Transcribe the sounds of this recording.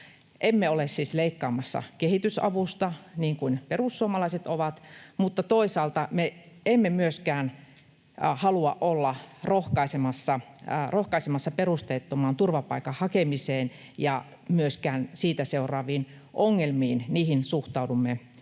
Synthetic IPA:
ʔemːeolessiːsleikːɑːmɑsːɑ̰kehit̪ysɑ̰ʋust̪ɑniːŋkuinperusːuomɑlɑiset̪oʋɑt̪mut̪ːɑt̪oisɑːlt̪ɑme | emːemyøskæːn | hɑluɑ̰ʔʔolːɑrohkɑisemɑsːɑrohkɑisemɑsːɑperust̪eːt̪ːomɑːnt̪urʋɑpɑikɑhɑkemiseːn | jɑ | myøskæːnsiːt̪æseurˑɑːʋiːn | ʔoŋːelmiːnniːhinsuht̪ɑudumːe

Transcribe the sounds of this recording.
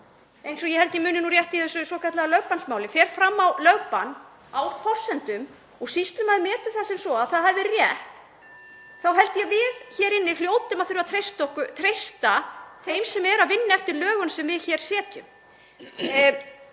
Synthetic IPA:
ejnsɔjɛhɛlt̪jɛmʏːnɪnurjɛht̪ihɛsʏsɔkat̪laɣalœpansmaːwlɪfɛːɾ̥fɾamːawlœpanː | awfɔr̥sɛnt̪ʏm | ɔɣsist̪ʏmaðmɛːt̪ʏθasɛmsɔaðθaðhavɪrjɛht̪ | θawɦɛlt̪jɛvɪðçɛːɾɪnːɪljoːwt̪ʏmaðθʏɾɪvaðt̪ʰɾejst̪ɔhkʏt̪ʰɾejst̪aθejmsɛmɛɾaðvɪnːaɛft̪ɪɾlœːɣʏnsɛmvɪðçɛːɾ̥sɛːt̪ʏ̰m

